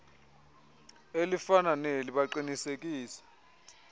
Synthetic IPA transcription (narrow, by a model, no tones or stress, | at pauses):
elifananeliɓaǃinisek̬ʼiːsɛ̥